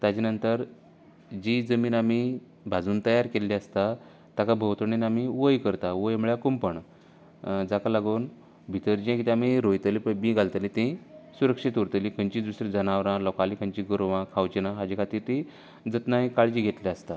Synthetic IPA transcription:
t̪jat͡ɕinənt̪əɾ | d͡ʑid͡zəmiːnami | bʱad͡zuːnt̪əjaɾkelːiəst̪a | t̪jakabʱəwt̪əɳinamiʋəjkəɾt̪aʋəjmuɭjakumpəɳ | d͡zakalaɡuːn | bʱit̪əɾd͡ʑĩkit̪ʲamiɾojt̪əlipəmĩɡalt̪əlit̪ĩsuɾəkʂit̪uɾt̪əlĩkʰəɲt͡ɕid̪usɾid͡zənaʋɾãlɔkalikʰəɲt͡ɕiɡəɾʋãkʰawt͡ɕinaɦad͡ʑikʰat̪iːɾt̪ĩ | d͡zət̪naikaɭd͡ʑiɡʱet̪liast̪a

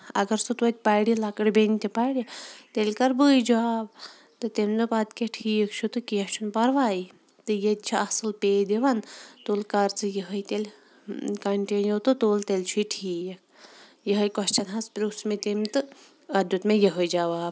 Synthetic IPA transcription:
ɐ̰ɡɐɾsɨt̪ʋɐt̪̚ʲpajɽilɐkɨɽbenʲt̪ʲipajɽit̪elʲkɐɾbəːjd͡ʒaːb | t̪ɨt̪emʲzɨpad̪kʲeʈʰiːjɐkt͡ʃʰut̪ɨkijɐt͡ʃʰunpɐɾʋaːji | t̪ɨjet̪̚ʲt͡ʃʰiɐsɨlpeːd̪eʋant̪oːlkɐɾt͡sɨjəɦəjt̪ʲelʲ | kɐɳʈenjowt̪ɨt̪oːlt̪elʲt͡ʃʰuʈʰiːjɐk̚ʰ | jəɦɐjkɔʃt͡ʃɐnɦɐspʲɾusmet̪emʲt̪ɨ | ɐd̪ʲjut̪mejeɦəjd͡ʒaʋaːb̚

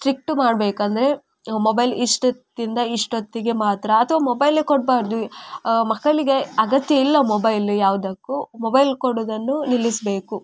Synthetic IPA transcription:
ʈɾik̚ʈmaːɖbe̞ːkɐnd̪ɐɾe̞ | mobɐjliʂʈot̪ːind̪ɐiʂʈot̪ːiɡe̞maːt̪ɾɐːt̪ʰɐʋaːmobɐjlekoʈ̚baːɾd̪umɐkːɐɭiɡe̞ɐɡɐt̪jɐilːɐmobɐjljaːʋud̪ɐkːumobɐjlkoɽoːd̪ɐnːunilːisbe̞ːku

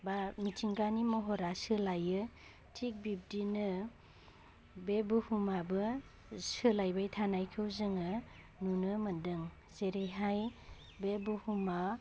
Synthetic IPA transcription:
bamitʰiŋɡanimɔɦɔɾasɯlajɯ | tʰik̚bip̚dinɯ | bebuhumabɯ | sɯlajbajtʰanajkʰɯwzɯŋɯ | nunɯmɯndɯŋ | zeɾejɦaj | bebuhuma

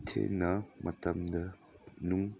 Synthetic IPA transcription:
tʰḛnɐmʔɐtɐmdɐ | nuŋ

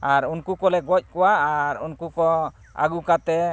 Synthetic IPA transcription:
aɾunkukɔlɛɡɔc̚ˀkɔwaaɾunkukɔ | a̰ɡukat̪ɛ

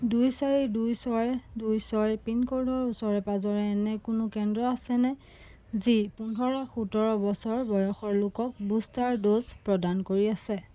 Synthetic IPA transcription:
dujsaɹidujsɔjdujsɔɹɛpinkoɹdʱɔɹusɔɹɛpazɔɹɛːnɛkʊnʊkɛndɹɔasɛnɛ | zipundʱɔɹaxutɔɹɔbɔsɔɹbɔjɔxɔɹlʊkɔk̚bustaɹdozpɹɔdankoɹiasɛ

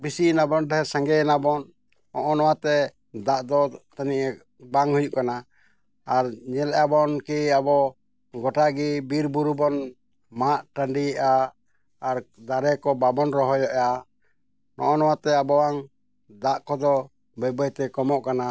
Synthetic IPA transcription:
bisinabɔndɛɦɛsãŋɡɛɛnabɔn | ɔʔɔnɔwat̪ɛ | d̪aʔd̪ɔt̪aniʔ | baŋhujuʔkana | aɾɲɛlɛʔabɔnkiabɔ | ɡɔʈaɡibiɾbuɾubɔn | maʔʈaɳɖiɛʔaː | ɾd̪aɾɛkɔbabɔnɾɔɦɔjɔʔa | nɔ̰ʔɔnɔwat̪ɛabɔwaŋ | d̪aʔkɔd̪ɔ | bəbəjt̪ɛkɔmɔʔkana

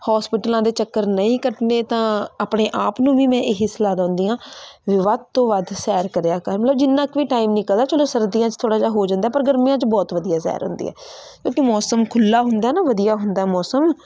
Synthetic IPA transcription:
hɔːspɪʈlãːd̪eːt͡ʃəkːəɾnəĩːkəʈneːt̪ãːaːpɳeːʔaːpnũːʋiːmɛ̃ːʔɪɦɪslaːd̪ãːʊ̃nd̪iːãːʋɪʋaːd̪̚t̪õːʋad̪sɛːɾkəɾejaːkəɾmət̪ləbd͡ʒɪnːãːkʋiːʈaːiːmnɪkəld̪aːt͡ʃəloːsəɾd̪iːãːt͡ʃt̪ʰoːɽaːd͡ʒaːɦoːd͡ʒãːnd̪aːpəɾɡəɾmijãːt͡ʃbɔːt̪ʋəd̪ijaːsɛ̰ːɾɦʊ̰nd̪ḭːɛ̰ː | kõːkɪmɔːsəmkʰʊlːaːɦʊnd̪aːɛnaːʋəd̪ijaːɦʊnd̪aːɛːmɔːsəm

